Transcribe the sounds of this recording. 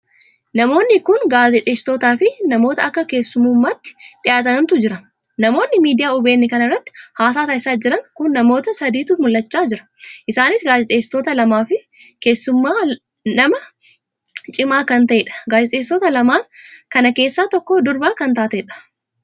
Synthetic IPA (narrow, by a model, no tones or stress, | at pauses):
nɐmo̞ːnːɪkʊnɡaːzɛt̪ʼe̞ːsɪ̥t̪o̞ːt̪aːfɪnɐmo̞ːt̪ɐɐkːɐke̞ːsːʊmuːmːaːt̪ːɪ̥ᶑɪʔaːt̪ɐnɐnt̪ʊd͡ʒɪɾɐ | nɐmo̞ːnːɪmiːd̪ɪjaːʊbe̞ːnːɛkɐnɐrːɐt̪ːɪ̥haːs̬aːt̪aːɪsaːd͡ʒɪɾɐŋkʊnːɐmo̞ːt̪ɐsɐd̪iːt̪uːmʊlːɐt͡ʃːaːd͡ʒɪɾɐ̥ | ʔɪsaːnɪsɡaːzɛt̪ʼeːsɪ̥t̪o̞ːt̪ɐlɐmaːfɪ | ke̞ːsːʊmːaː | nɐmɐ | t͡ʃʼɪmaːkɐnt̪ɐʔeːᶑɐ̥ɡaːzɛt̪ʼeːsɪt̪oːt̪ɐlɐmaːkɐnɐke̞ːsːaːt̪ɔkːɔd̪ʊɾbaːkɐnt̪aːt̪ɐɛᶑɐ̥